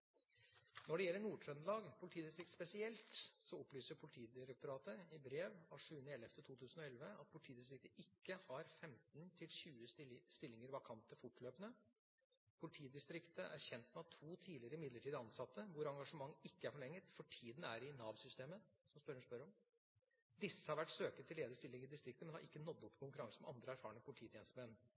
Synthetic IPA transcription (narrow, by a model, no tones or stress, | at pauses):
nɔɖɛjɛlːəɳuːʂɾœnlɑːɡpʰʊlɪt̪ʰiːd̪ɪst̪ɾɪkt̪spɛsɪɛlt̪sɔɔplyːsəɾpʰʊlɪt̪ʰiːd̪ɪɾɛk̚t̪ʊɾɑːt̪əɪbɾeːʋɑʂʉːnəɛlɛft̪ət̪ʰuːt̪ʰʉːsən̩ɔɛlʋəɑ̰t̪̚pʰʊlɪt̪ʰiːd̪ɪst̪ɾɪk̚t̪əɪkːəhɑɾfɛmt̪nt̪ʰɪlɕʉːəsst̪ɪlːɪŋəɾʋɑkʰɑnt̪əfʊʈːløːpənə | pʰʊlɪt̪ʰiːd̪ɪst̪ɾɪkt̪əʔæɾçɛnt̪mɛɑt̪ʰuːt̪ʰiːdlɪəɾəɪmɪd̪ləʈʰiːd̪əɑnsɑt̪ːəʋʊɾɑŋɡɑʂəmɑŋːɪkːəæɾfɔɭɛŋːət̪fɔʈʰiːd̪næ̰ɾɪnɑːʋsʏst̪eːməsɔmspœɾəspœɾɔm | d̪ɪsːəhɑɾʋæʈːsøːkət̪ʰːɪleːd̪əst̪ɪlːɪŋɾɪd̪ɪst̪ɾɪk̚t̪əmɛnhɑ̰ɾʔɪkːənɔd̪ːɔpːkʊŋkʉɾɑŋsəmɛ̰ʔɑnd̪ɾəæɾfɑːəɳəpʰʊlɪtʰiːt̪ʰɛːnst̪əmɛn